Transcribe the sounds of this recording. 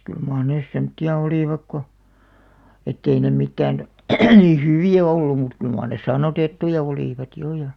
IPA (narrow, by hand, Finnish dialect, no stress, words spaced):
kyl mɑːr neˑs semŏtːiɑ oliˑʋɑk ko etːei ne mitːæːn ni hyʋiˑæ oilu mut kyl mɑːr nes sɑnːotetːujɑ oliˑʋɑt jo jɑ